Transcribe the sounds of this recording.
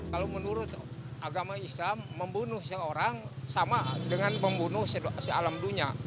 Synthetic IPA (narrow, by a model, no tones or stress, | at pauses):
kalomənuɾʊt̪ | ʔaɡamaislamːəmbunʊhsəoɾaŋsamadəŋanpəmbunʊhsəsəalamduɲa